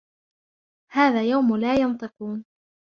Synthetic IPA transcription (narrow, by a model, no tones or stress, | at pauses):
haːðaːjawmlaːjɑnt̪ˤɨquːn